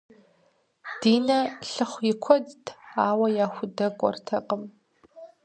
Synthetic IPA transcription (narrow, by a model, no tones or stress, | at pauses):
d̥iːnɐɬɨχʷjɪkʷʰɔdtʰaːwɐjaːxʷʊdɐkʷʼɔ̰rtʰɐqʼəm